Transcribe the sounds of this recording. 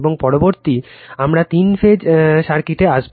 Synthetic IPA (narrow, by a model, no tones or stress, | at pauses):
boŋpɔɾoboɾt̪iamɾat̪infʰed͡ʑʃaɾkiʈeaʃb